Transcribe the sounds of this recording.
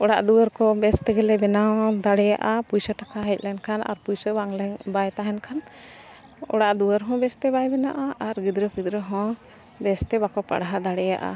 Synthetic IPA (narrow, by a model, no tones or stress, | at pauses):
ɔɽaʔd̪uəɾkɔbɛst̪ɛɡɛlɛbɛnawd̪aɽɛja̰ʔapujsəʈakʰaɦɛc̚ˀlɛnkʰanʔa̰ɾpujsəbaŋlɛɲbajt̪aɦɛnkʰan | ɔ̰ɽaʔd̪uəɾɦɔ̃bɛst̪ɛbajbɛnaʔaʔaɾɡid̪ɾəpid̪ɾəɦɔ̃ | bɛst̪ɛbakɔpa̰ɽɦad̪aɽɛja̰ʔa̰